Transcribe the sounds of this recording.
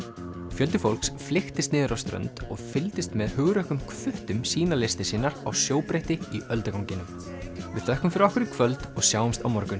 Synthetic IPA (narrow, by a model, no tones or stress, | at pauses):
fjœlt̪ɪfowlksflɪxt̪ɪst̪nɪːðʏɾawst̪ɾœ̰nt̪ɔɣfɪlt̪ɪst̪mɛðhʏɣɾœhkʏmkʰvʏht̪ʏmsiːnalɪst̪ɪsiːnːaɾawsjoːwpɾejht̪ɪiœlt̪ʏkawŋcɪnʏm | vɪ̰ðθœhkʏmfɪɾɪɔhkʏɾɪkʰvœlt̪ɔɣsjawmst̪awmɔɾkʏn